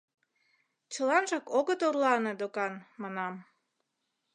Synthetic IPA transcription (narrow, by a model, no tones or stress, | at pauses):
t͡ɕəlɑnʒɑkoɣət̪orlɑned̪okɑnmɑnɑm